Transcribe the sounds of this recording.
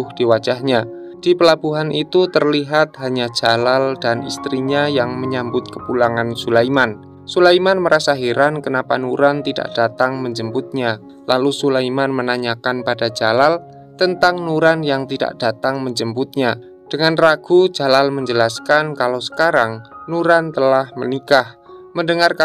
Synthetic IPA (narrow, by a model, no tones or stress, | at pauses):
ʊhd̥iwḁd͡ʒaɦɲa | d̥ipəlab̥uɦanʔit̪ut̪ərliɦat̪̚ɦaɲḁd͡ʒ̥alaldanist̪ɾiɲajaŋməɲambʊt̪̚kəpulaŋansulaiman | sulaimanməɾasaɦiɾankənapanuɾant̪ida̰ʔd̥at̪aŋməɲd͡ʒəmbʊt̪̚ɲa | lalusulaimanmənaɲakanpadad͡ʒalal | t̪ənt̪aŋnuɾanjaŋt̪ida̰ʔd̥at̪aŋməɲd͡ʒəmbʊt̪̚ɲa | d̥əŋanraɡ̥u̥d͡ʒalalməɲd͡ʒəlaskankalosə̥kaɾaŋnuɾant̪əlahmənikahməndəŋarka